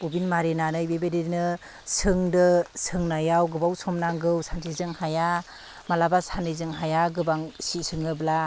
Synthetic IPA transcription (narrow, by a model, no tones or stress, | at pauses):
bubinmaɾenanɯjbebedenɯ | sʰɯŋdɯsʰɯŋnajawɡɯbawsʰɔmnaŋɡɯwsʰantʰizɯŋhaja | malabasantʰizɯŋɦajaɡɯbaŋsisʰɯŋɯbla